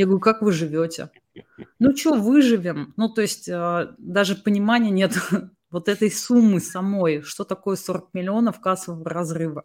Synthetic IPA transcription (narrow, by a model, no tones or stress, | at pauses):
jaɡəvɾʲukakvɨʐɨvʲo̞tʲɪ̰ | nut͡ɕovɨʐɨvʲɪmnut̪oɪsʲtʲəd̪aʐɨpənʲɪmanʲɪjənʲe̞t̪ | vo̞t̪ɛt̪əjsumːɨsɐmo̞jʂt̪ot̪ɐko̞jəso̞ɾək̚mʲɪlʲɪo̞nəfkasəvəvərɐzrɨvə